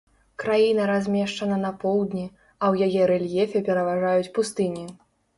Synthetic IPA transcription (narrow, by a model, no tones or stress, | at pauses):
kɾajin̪ɐɾazʲmʲɛʂt͡ʂɐnɐnɐpɔwˠd̪nʲi | ɐwjajɛɾɛlʲjɛfʲɛpʲɛɾɐvaʐajut͡sʲpust̪ɨnʲi